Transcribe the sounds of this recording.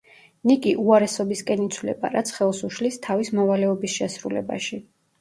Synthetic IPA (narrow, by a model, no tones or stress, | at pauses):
nikʼiʔuaɾɛsɔbiskʼɛnit̪sʰvlɛ̰ba̰ɾat̪sʰχɛlˠsuʃlist̪ʰavismɔvalɛɔbisʃɛsɾulɛ̰ba̰ʃi